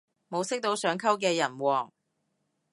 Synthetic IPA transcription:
mo˨˧wsɪ˥k̚t̪o˧wsœː˨˧ŋkʰɐ˥wk̬ɛː˧jɐ˨˩nwɔː˨˩ŋ

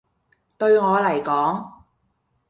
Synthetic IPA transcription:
t̪ɵ˧ɥŋɔː˨˧lɐ˨˩jkɔː˨˥ŋ

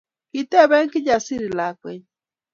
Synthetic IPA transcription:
ki˨tɛ˦βɛ˦ŋ̩˦kɪ˦d͡ʒa˨si˦ɾi˨la˨kwɛ̰˦ɲ˦

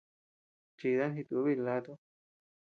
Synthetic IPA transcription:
t͡ʃi˧ða˦nɦi˧t̪u˧˦βi˦˧la˧˦t̪o˦

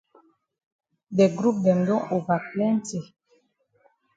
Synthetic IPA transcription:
dɛ˨ɡɾu˦p̚dɛ˨n˨dɔ˦o˨va˨k̚lɛ˦n̩˦te˨

